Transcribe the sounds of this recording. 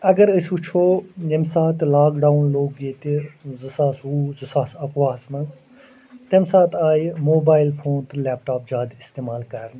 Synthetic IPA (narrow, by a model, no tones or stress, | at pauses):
ɐɡɐɾəsut͡ʃʰoːjɐmsaːt̪laːkɖaːunloːɡːeːt̪izɨsaːsuːzɨsaːsɐkʋaːsmɐnz | t̪emsaːt̪ʰaːjmoːbaːjlfʰoːnt̪ɨlɛːp̚ʈaːp̚d͡ʒaːd̪ist̪eːmaːlkɐɾn